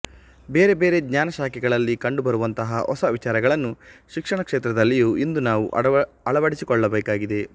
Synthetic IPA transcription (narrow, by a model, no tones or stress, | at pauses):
be̞ːɾe̞beːɾe̞ɡɲaːnɐʃaːkɛɡɐɭɐlːikɐɳɖubɐɾuʋɐnt̪ɐɦɐɔsɐʋit͡ʃaːɾɐɡɐɭɐnːuʃikʂɐɳɐkʂeːt̪ɾɐd̪ɐlːijuːʔind̪unaːʋuʔ | ɐɭɐʋɐɽisikɔɭːɐbeːkaːɡid̪e̞